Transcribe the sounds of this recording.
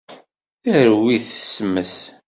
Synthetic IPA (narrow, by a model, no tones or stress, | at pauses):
əɾwiθəsmːəs